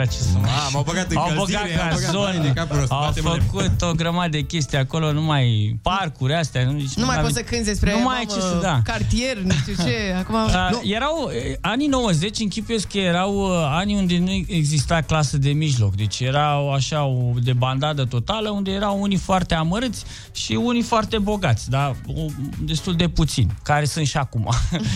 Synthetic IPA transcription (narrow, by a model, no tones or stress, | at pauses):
at͡ʃesəmaabɐɡat̪awboɡaazonekauawfəkut̪oɡɾəmad̪əd̪ekʲe̞st̪ieako̞lo̞numajparkuɾʲast̪janut͡ʃnumajot̪səkɨnzd̪espɾenumajt͡ʃed̪akart̪iernuʃt̪ut͡ʃeakumaəje̞ɾawanino̞wəze̞t͡ʃʲɨŋkʲipujeskəjeɾawaniund̪e̞nueɡzist̪aklasəd̪e̞miʒlo̞̰kd̪e̞t͡ʃʲje̞ɾaoaʃaod̪e̞band̪ad̪ət̪o̞t̪aləund̪e̞je̞ɾawunifoart̪e̞aməɾɨt̪sʲ | ʃiunifoart̪e̞bo̞ɡat̪sʲd̪aod̪e̞st̪uld̪e̞put̪sḭnʲkaɾe̞sunt̪ʃiakumʔa̰